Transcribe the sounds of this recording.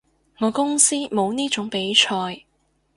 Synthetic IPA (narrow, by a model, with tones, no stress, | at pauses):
ŋɔː˨˧kʊ˥ŋsiː˥mo˨˧wniː˥t͡ʃʊ˨˥ŋpe˨˥jt͡ʃʰɔː˧j